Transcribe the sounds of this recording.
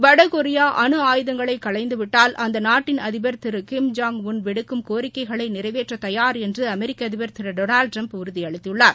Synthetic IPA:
ʋɐɽɐkɔɾɪjaːʔɐnɯaːjɯðɐŋɡɐɭɐɪkːɐɭɐɪnd̪ɯʋɪʈːaːlʔɐnd̪ɐnaːʈːɪnɐðɪbɐɾt̪ɪɾɯkɪmd͡ʒaːŋʋʊnʋɪɽɯkːɯmkoːɾɪkːɐɪɣɐɭɐɪnɪrɐɪʋeːʈrɐt̪ɐjaːɾɛndrɯɐmɛɾɪkːɐɐðɪbɐɾt̪ɪɾɐɖoːnaːlɖ̚ʈɾɐmpʊɾɯðiɐɭɪt̪ːɪɯɭːaːɾ

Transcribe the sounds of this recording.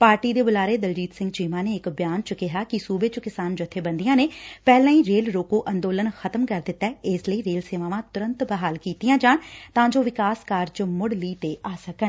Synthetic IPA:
paːɾʈiːd̪eːbʊlaːɾeːd̪əld͡ʒiːt̪sɪ̃ŋɡt͡ʃiːmaːneːɪkbjaːnt͡ʃəkɪɦaːkɪsuːbeːt͡ʃəkɪsaːnd͡ʒət̪ʰːeːbənd̪ijãːneːpɛːlãːĩːɾeːlɾoːkoːʔənd̪oːlənxʰət̪əmkəɾd̪ɪt̪ːɛːɪsləiːɾeːlseːʋaːʋãːt̪ʊɾə̃nt̪bəɦaːlkiːt̪ijãːd͡ʒaːɳt̪ãːd͡ʒoːʋɪkaːskaːɾd͡ʒmʊɽliːt̪eːʔaːsəkə

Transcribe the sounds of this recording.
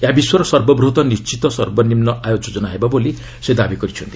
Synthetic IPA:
jabiswɔɾɔsʌɾbɔbɾut̪ɔnist͡ʃit̪ɔsʌrbɔnimnɔʔajod͡zod͡zɔnaɦebaboli | sed̪abikɔɾit͡ʃʰunt̪i̥

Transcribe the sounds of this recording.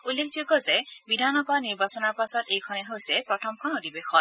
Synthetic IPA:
ulːekʰd͡ʒoɡɔzebid̪ʱanɔbadniɹbasɔnɔɹpasɔtejkʰɔneɦowsepɾɔt̪ʰɔmkʰɔnod̪ibexɔt

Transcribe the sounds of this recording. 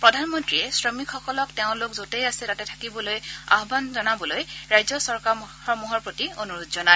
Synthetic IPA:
pɹɔdʱanmɔntɹiɛsɹɔmikxɔkɔlɔkteʊ̃lokzotejasɛtatɛtʰḁkibɔloja̰ɦɔbanzɔnabɔlojɹajzɔsɔɹkaxɔmuɦɔɹpɹotionuɹodzɔna

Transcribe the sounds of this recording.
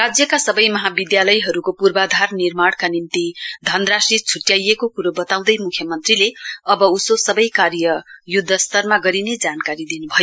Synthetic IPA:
rad͡zjʌkasʌbʌjmʌɦabid̪jalʌjɦʌɾukopurbad̪ʱarnirmaɽ̃kanint̪id̪ʱʌnrasrit͡sʰuʈjajekokuɾobʌt̪aw̃d̪ʌjmukʰjʌmʌnt̪rileʌbʌusosʌbʌjkaɾjʌjud̪ʱːʌst̪ʌrmaɡʌɾined͡zankaɾid̪inubʱʌjo

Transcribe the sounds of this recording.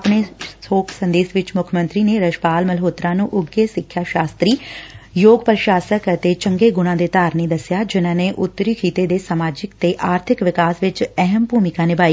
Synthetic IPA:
pɳeːsoːkʰsə̃nd̪eːsʋɪt͡ʃmʊkʰəmə̃nt̪ɾiːneːɾəʃpaːlməlɦoːt̪ɾãːnũːʔʊɡeːsɪkʰːjaːʃaːst̪ɾiːjoːɡpəɾʃaːsəkət̪eːt͡ʃəŋɡeːɡʊɽ̃ãːd̪eːt̪aːɾneːd̪əsɪjaːd͡ʒɪnãːneːʔʊt̪ːəɾiːkʰiːt̪eːd̪eːsaːmaːd͡ʒɪkt̪eːʔaːɾt̪ʰɪkʋɪkaːsʋɪt͡ʃɛɦəmbuːmɪkãːnɪbaːiː

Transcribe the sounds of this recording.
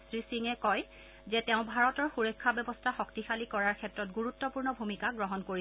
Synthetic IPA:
sɹisiŋɛkɔj | zɛtɛʊ̃bʱaɹɔtɔɹxuɹɔkʰːabɛbɔstʰaxɔktixalikɔɹaɹkʰɛtɹɔtɡuɹutːɔpuɹnɔbʱumikaɡɹɔɦɔnkoɹi

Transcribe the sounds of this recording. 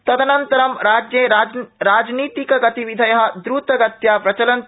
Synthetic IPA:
t̪ɐt̪ɐnɐnt̪əɾɐmɾad͡ʒjeɾaːd͡ʒnit̪ikɡɐt̪iʋid̪ʱɐjɐɦɐ̆d̪ɾut̪ɐɡɐt̪japɾɐt͡ʃɐlɐn

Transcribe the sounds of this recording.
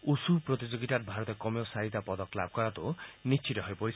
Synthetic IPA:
usupɾɔt̪id͡ʒoɡit̪aɾbʱaɾɔt̪ɔkɔmosaɦit̪apɔd̪ɔklabʱɔkɔɾat̪unist͡ʃʰit̪ɔɦɔjpɔɾis

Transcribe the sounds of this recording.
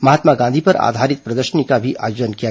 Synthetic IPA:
mɐɦaːt̪maɡãnd̪ʱipɐɾa̰ːd̪ʱaːɾɪt̪̚pɾɐd̪əɾʃənikabʱiʔʔa̰ːjoːd͡ʒənkija

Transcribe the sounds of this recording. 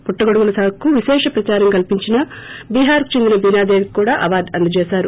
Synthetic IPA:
puʈːɐɡoɽuɡulɐsaːkːuʋiʃɛːʂɐpɾɐt͡ʃaːɾɐŋkɐlpiɲt͡ʃinɐbiːɦaːɾku̥t͡ʃe̞nd̪inɐbiːnaːd̪eːʋkkuːɽaːʔɐʋaːɾɖɐnd̪ut͡ʃɛːsaːɾu

